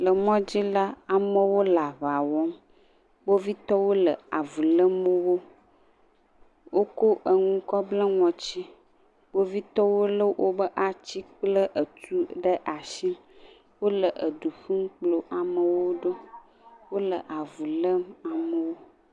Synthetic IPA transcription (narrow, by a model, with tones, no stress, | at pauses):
lə˨mɔ̃˦d͡ʑi˦la˦a˨mə˦wo˦la˨βa˨wɔ˦m | bo˦vi˦t̪ɔ˦wo˦lə˨a˨vu˨lə˦mə˦wo˦ | wo˦ko˦ʔə˨ŋũ˦kɔ˦blə˦ŋɔ̃˨t͡ɕi˦ | bo˦vi˦t̪ɔ˦wo˦lə˦wʔo˦bə˦ʔa˨t͡ɕi˦k͡plə˦ʔə˨t̪u˦ɖə˦ʔa˨ʃi˦m | wo˦lə˨ʔə˨ɖu˨ɸu˦ŋ˦k͡plo˨ʔa˨mə˨wo˦ɖo˦ | wo˦lə˨ʔa˨vu˨lə˦ma˨mə˨wo˦